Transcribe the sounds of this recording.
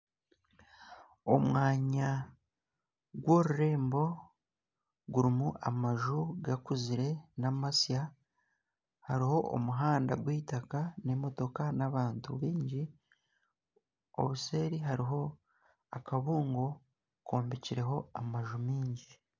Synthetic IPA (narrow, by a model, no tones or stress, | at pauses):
o̞̰mwaːɲa | ɡwo̞ɾuɾe̞ːmbo̞ | ɡuɾimuʔa̰maʒuɡakuziɾe̞namasija | haɾiho̞ʔo̰muɦaːnda̰ɡwiːtakane̞mo̞to̞kanaβaːntṵβiːɲɟi | o̰βuse̞ːɾiɦaɾiɦo̞ | akaβuːŋɡo̞ | kʰoːmbiciɾe̞ɦo̞amaʒumiːɲɟi